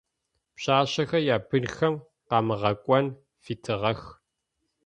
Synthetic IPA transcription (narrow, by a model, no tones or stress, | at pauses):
pɕaːɕɐxɐjaːpʰɨnxɐm | qɑːmɨʁɐkʷʼɔn | fiːtʰɨʁɐx